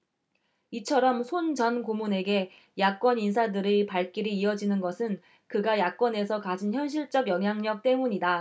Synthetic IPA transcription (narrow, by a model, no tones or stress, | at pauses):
it͡ɕʰʌɾʌmsʰond͡ʑʌnɡomune̞ɡe̞ | jak͈wʌnins̬ʰadɯɾepaɭk͈iɾiːʌd͡ʑinɯnɡʌsʰɯn | kɯɡajak͈wʌne̞sʰʌkad͡ʑinçjʌnɕ̬ʰiɭt͡ɕ͈ʌɡjʌŋɦjaŋɲʌk̚t͈e̞muɲida